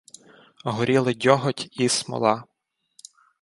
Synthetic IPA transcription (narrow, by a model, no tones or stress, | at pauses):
ɦɔɾʲilˠɪdʲɔɦɔtʲismɔ̰lˠɑ